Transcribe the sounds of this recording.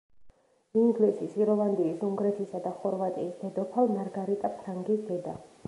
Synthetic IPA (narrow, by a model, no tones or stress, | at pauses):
iŋɡlisisiɾɔvand̪iisuŋɡɾɛt̪ʰisad̪aχɔɾvat̪ʼḭːsd̪ɛd̪ɔpʰalˠmaɾɡaɾit̪ʼapʰɾaŋɡisd̪ɛd̪a